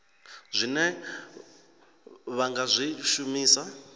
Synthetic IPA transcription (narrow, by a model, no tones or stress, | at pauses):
zʷinɛ | βaŋɡazʷiʃumiːsa